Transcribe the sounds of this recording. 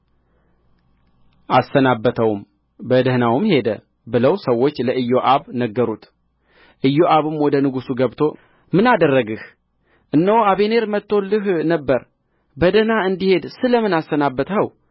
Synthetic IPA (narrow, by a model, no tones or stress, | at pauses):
ʔasːənabːət̪ʰəwm | bəd̪əhnawɨmhe̞d̪ə | bɨləwsəwːo̞t͡ʃːləʔɨjːoʔaβnəɡːəɾut̪ | ʔɨjːoʔaβɨmwɔd̪ənɨɡusuɡəβt̪ʰo̞ | mɨnad̪ərːəɡɨh | ʔɨnːəwaβe̞ne̞ɾmət̪ʰːo̞lɨɦnəbːəɾ | bəd̪əhnaɨnd̪ihe̞d̪sɨləmɨnasːənabːət̪əw